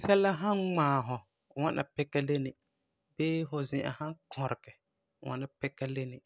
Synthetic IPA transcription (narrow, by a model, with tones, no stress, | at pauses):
sɛ˦lːa˦ɦa˦nŋ͡maː˨ɦʊ˨ | wa˦nʔa̰˨pɛ˦kːa˦le˦nɪ˨ | beː˦fʊ˨zɪ̃˨ʔa̰˨hã˦ŋkʰɔ˨ɾɪ˨kɛ˨ | wʔa̰˦na˦pɛ˦kːa˦le˦nɪ˨